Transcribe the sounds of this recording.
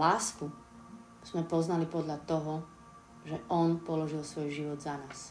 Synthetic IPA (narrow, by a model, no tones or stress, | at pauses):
laːsku | z̥mɛpɔznalipɔd̪ʎat̪ɔɦɔ | ʒɛʔɔnpɔlɔʒilsʋɔjʒiʋɔd̪zanaːs